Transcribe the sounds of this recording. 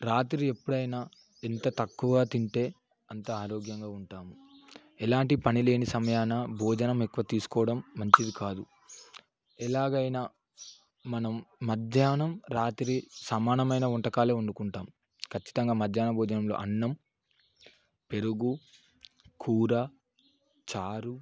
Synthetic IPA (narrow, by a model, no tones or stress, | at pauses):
ɾaːt̪ɾie̞pːuɽɐjna | ent̪ɐt̪ɐkːuʋɡaːt̪iɳʈe̞ː | ɐnt̪ɐaːɾoːɡjɐŋɡaːuɳʈaːmu | ɛlaːɳʈipɐnile̞ːnisɐmɐjaːnɐbʱɔːd͡ʒɐnɐmekːuʋɐt̪iːsu̥kɔːʋɐɽɐmːɐɲt͡ʃid̪ikaːd̪u | ɛlaːɡɐjnɐ | mɐnɐmːɐd̪ʱjaːnɐmɾaːt̪ɾisɐmaːnɐmɐjnɐuɳʈɐkaːle̞ːuɳɖukuɳʈaːmu | kʰɐt͡ʃːi̥t̪ɐŋɡaːmɐd̪ʱjaːnɐbʱɔːd͡ʒɐnɐmlo̞̰ːʔɐnːɐm | pe̞ɾuɡu | kʰuːɾɐ | t͡ʃaːɾu